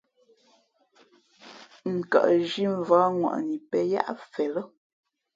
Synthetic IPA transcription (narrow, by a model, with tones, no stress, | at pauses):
ŋ̩˨ka̰˨ʔʒi˦ɱ˨vaː˦ŋwa̰˨ʔni˨pɛ˦ja̰˦ʔfɛ˨lə˦